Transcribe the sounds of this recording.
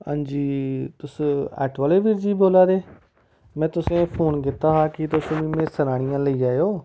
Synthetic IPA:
ã̰ːnd͡ʒiːt̪ʊsɛ̰ːʈʰʋaːleːʋiɾd͡ʒiːboːlaːɾeː | mɛ̃ːt̪ʊsẽːpʰoːnkɪt̪aːɦaːkɪt̪ʊsʊmĩːmẽːsəɾaːɽ̃ijãːləiːaːeoː

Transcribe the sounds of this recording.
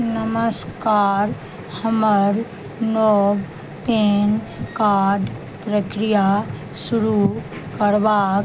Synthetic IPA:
nəməskaːɾ | həməɾ | noːb | peːn | kaːɾɖ | pɾəkɾija | sʊɾukəɾʋaːk

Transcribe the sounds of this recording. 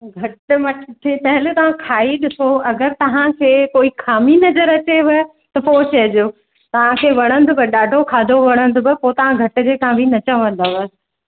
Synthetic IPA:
ɡʱɐʈʊmɐʈʰt̪ʰepɐɦɪlt̪ɐʋ̤ãkʰaːiɗɪsoɐɡəɾt̪ɐʋ̤ãkʰeːkoːikʰaːminɐzəɾɐt͡ɕeʋɪ | t̪ɐpoːt͡ɕɐɦɪd͡ʑoː | t̪ɐʋ̤ãkʰeːʋɐɽ̃ə̃nd̪ʊbɪɗaːɖʱokʰaːd̪ʱoʋɐɽ̃ə̃nd̪ʊbɪpoːt̪ɐʋ̤ãɡʱɐʈɪ̆d͡ʑeːkʰãbʱinɐt͡ɕə̃ʋə̃n̆d̪aʋɐ

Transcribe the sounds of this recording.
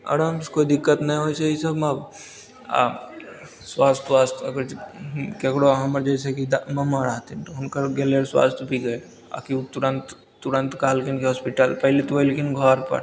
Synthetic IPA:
ɐ̰ɾəmskoid̪ɪkːət̪nãɦojseisəbmab̰ | swaːst̪ʋaːst̪ʰəɡəɾkekɽoɦɐməɾd͡ʒajsekid̪mɐmaɾaɦt̪int̪oʊnkəɾɡeleɾswa̰ːst̪ʰbʱiɡɐe | a̰kit̪uɾənt̪ː | uɾə̃nt̪kaɦlkinkeɦɔːspiʈəlpəɦlet̪ʋəɪlkinɡʱɔɾpə̰ɾ

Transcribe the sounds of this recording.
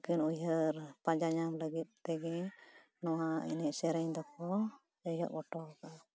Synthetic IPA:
kinujɦəɾpãd͡ʒaɲamləɡit̪̚ˀt̪ɛɡɛ̃ | nɔwaḭnɛʔsɛɾəɲd̪ɔkɔ | ɔjɦɔ̰ʔbɔʈɔka

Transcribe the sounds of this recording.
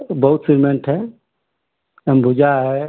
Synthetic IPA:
bəɦut̪siɾmeɳʈʰɦɛ | əmbʱud͡ʒaɦɛ

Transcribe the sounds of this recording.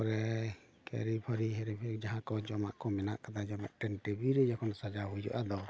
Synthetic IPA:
ɾɛ | kɛ̰ɾipʰəɾiɦɛɾɛpʰɛd͡ʒaɦãkɔd͡ʒɔma̰ʔkɔmɛnaʔkad̪ad͡ʒɔma̰ʔʈɛnʈɛbiɾɛd͡ʒɔkʰɔnsad͡ʒaɦujd͡ʒɔ̰ʔad̪ɔ

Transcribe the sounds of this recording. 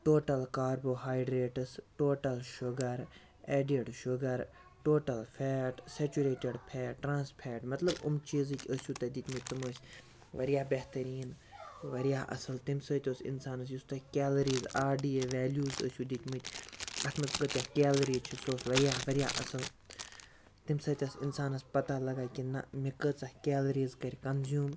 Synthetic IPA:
ʈoːʈɐlkaːɾboːɦaːjɖɾeːʈɨsʈoːʈɐlʃʊɡɐɾ | eːɖeɖʃʊɡɐɾ | ʈoːʈɐlfʰeːʈset͡ʃuɾeːʈeɖpʰɛːʈɾãːnspʰeːʈmɐt̪lɐbṵmt͡ʃiːzɨkʲəsʲuːt̪ɐd̪it̪ʲmɨt̪̚ʲt̪ɐməːsʲ | ʋɐɾijaːbeht̪ɐɾiːn | ʋɐɾjaːʔɐ̰sɨlt̪imsəːt̪ʲoːsḭnsaːnɐs̬just̪ɐkʲɛːlɐɾiːzaːɖiːeʋɛːljuːzə̰ːsʲuːd̪it̪ʲmɨt̪ʲɐt̪ʰmɐskət̪ʲjaːkʲɛːlɐɾiːt͡ʃʰisoːsʋɐɾjaːʋɐɾʲja̰ːʔɐsɨl | t̪imsɐːt̪ʲɐsinsaːnɐspɐt̪aːlɐɡaːkʲinɐ̰mikət͡sɐhkʲeːlɐɾiːzkɐɾʲkɐnzjuːm

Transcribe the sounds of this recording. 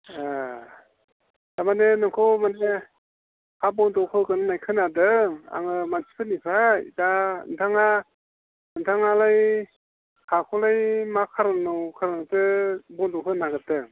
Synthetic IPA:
a | d̥amanenɯŋkʰɔmane | hʰabɔndɔkʰɯkɯnɯnajkʰɯnadɯa̰ŋɯmansi̥pʰɯnipʰajdaɯ̰ntʰaŋa | ɯntʰaŋalaj | kʰakʰɔlajmakʰaɾanɯwkʰaɾanɔtɯbɔndɔkʰɯnaɡɯdɯ

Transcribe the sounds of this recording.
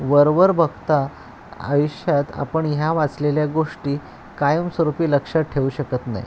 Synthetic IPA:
ʋəɾʋəɾbʱəɡt̪a | ə̰juɕjat̪a̰pəɳɦjaʋat͡sleljaɡoʂʈiː | kajəmsʋəɾupiːləkʂaʈʰːeuɕəkət̪na̰j̰

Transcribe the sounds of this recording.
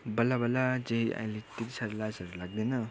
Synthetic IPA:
bʌlabʌlad͡zʌĩa̰j̃let̪it̪isaɾlasʌɾulaɡ̚d̪inʌ

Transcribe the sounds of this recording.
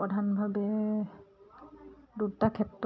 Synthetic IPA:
ɔdʱanbʱabɛ | dutakʰɛtɹ

